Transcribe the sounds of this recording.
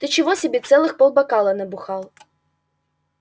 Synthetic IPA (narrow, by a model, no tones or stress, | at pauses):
t̪ɨt͡ɕɪvɔsʲɪbʲɛt̪sɛlˠɨxpɔlˠbɐkalˠɐnɐbʊxalˠ